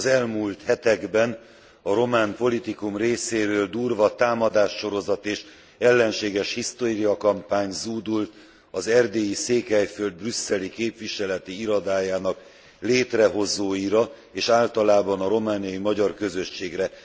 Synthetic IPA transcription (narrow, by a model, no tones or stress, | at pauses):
zɛlmult̪hɛt̪ɛɡbɛn | ɒɾo̞maːnpo̞lit̪ikumreːseːɾøːld̪uːrvɒt̪aːmɒd̪aːʃːo̞ɾo̞zɒt̪eːʃ | ɛlːɛnʃeːɡɛʃhist̪oːɾijɒkɒmpaːɲzuːd̪ult̪ | ɒzɛrd̪eːjiseːkhɛjføld̪̚brysːɛlikeːpʋiʃɛlɛt̪iiɾɒd̪aːjaːnɒk | leːt̪rɛɦo̞zoːjiɾɒ | eːʃaːlt̪ɒlaːbɒnɒɾo̞maːnijɒjimɒɟɒrkø̞zøʃːeːɡrɛ